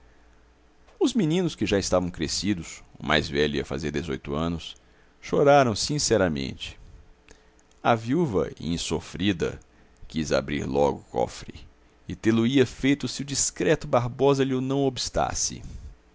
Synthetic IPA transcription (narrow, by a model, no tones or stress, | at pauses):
ʊzminĩnʊskɪʒaɪst̪avɐ̃w̃kɾesid̪ʊsʊmʔa̰jzvɛʎʊiɐfa̰zeɾd̪ezojt̪ʊɐ̃nʊs | ʃoɾaɾɐ̃w̃sĩsɛɾɐmḛ̃nt͡ʃɪ̥ | ɐviuvɐ̰ḭ̃sofɾid̪ɐ̰ | kiza̰bɾḭɾlɔɡʊkɔ̰fɾɪ | ɪt̪elʊiɐfejt̪ʊsɪʊd͡ʒiskɾɛt̪ʊbaɾbɔzɐlɪʊnɐ̃w̃obist̪a̰sɪ̰